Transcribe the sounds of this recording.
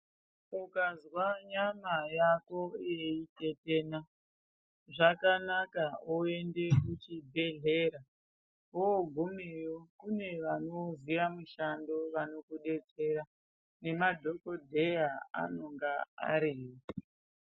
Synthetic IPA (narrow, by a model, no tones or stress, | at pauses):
ukazwaɲamajako̞je̞ite̞teːna | ʐakanakaoe̞nde̞kut͡ʃibʱe̞ɮe̞ɾa | oːɡʱomejokune̞ʋano̞zijamuʃando̞ʋano̞kuɗe̞t͡se̞ɾa | ne̞madʱo̞ko̞dʱejaa̰no̞ŋɡaa̰ɾiːwo